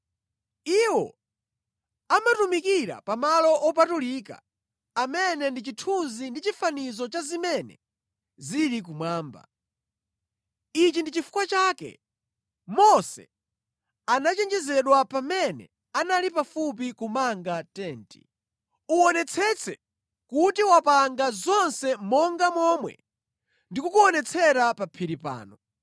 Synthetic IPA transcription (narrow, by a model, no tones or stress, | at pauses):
iwɔ̰ | amatumikiɾa̰pamalɔʔɔp̬atuliːka̰ | amɛnɛndit͡ʃitʰunzindit͡ʃifanizɔt͡ʃazimɛnɛ̰ | ziɾik̬umwaːmba̰ | it͡ʃindit͡ʃifu̥kwat͡ʃaːkɛ̰ | mɔsɛ̰ | anat͡ʃɛnd͡ʒɛzɛɗwapamɛnɛ̰ | analipafup̬ikumaŋɡatɛːnti | uɔnɛt͡sʰɛt͡sʰɛ | kutiwapaŋɡazɔnsɛmɔŋɡamɔmwɛ̰ | ndikukuɔnɛt͡sʰɛɾapapʰiɾipa̰ːnɔ